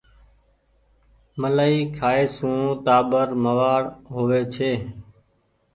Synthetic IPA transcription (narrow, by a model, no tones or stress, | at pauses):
məlaːiːkʰaːeːsũːt̪aːbəɾməʋaːɽɦoːʋeːt͡ʃʰeː